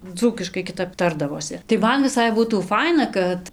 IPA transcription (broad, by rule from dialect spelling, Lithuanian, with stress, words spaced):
ˈd͡zuːkʲɪʃkɐɪ kʲɪˈtɐp ˈtɐrdɐʋoːsʲɪ tɐɪ ˈmɐn ʋʲɪˈsɐɪ ˈbuːtuː ˈfɐɪnɐ kɐt